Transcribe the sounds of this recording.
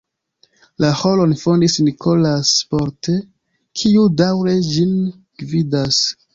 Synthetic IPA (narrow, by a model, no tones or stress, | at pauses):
laholo̞nfo̞ndisnikʰo̞laspo̞ɾte | kʰiudawɾe̞d͡ʒin | ɡ̥vidas